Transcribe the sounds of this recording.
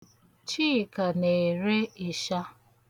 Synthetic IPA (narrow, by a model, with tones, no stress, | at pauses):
t͡ʃiː˦˨ka˨ne˨ɾe˦ɪ˨ʃa˦